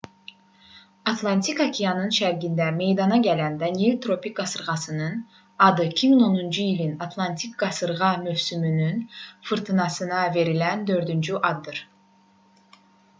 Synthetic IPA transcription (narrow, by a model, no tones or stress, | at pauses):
ɑt̪ʰlˠɑnt̪ʰikɑcʰijɑnɯnʃæɾɡʲind̪æme̞jd̪ɑnɑɟælænd̪ɑnielʲt̪ʰɾo̞pik̚ɡɑsɯɾʁɑsɯnɯn | ɑd̪ɯicʰimiŋo̞nund͡ʒuilʲinɑt̪ʰlˠɑnt̪ʰik̚ɡɑsɯɾʁɑmyvsymynynfɯɾt̪ʰɯnɑsɯnɑve̞ɾilænd̪ø̞ɾd̪ynd͡ʒyʔɑd̪ːɯɾ̥